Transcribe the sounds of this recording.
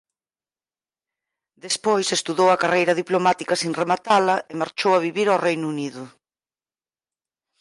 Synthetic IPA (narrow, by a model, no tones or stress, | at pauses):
d̪espojsest̪uðowɐkarejɾɐðiplomat̪ikɐsinremat̪alɐʔemaɾt͡ʃowɐβiβiɾawrejnuuniðʊ